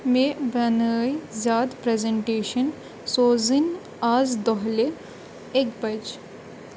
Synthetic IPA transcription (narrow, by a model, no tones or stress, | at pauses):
mẽbɐnəːizjaːd̪pɾeːzeɳʈeːʃən | soːzin | aːzd̪ɔɦle | ekbɐd͡ʒ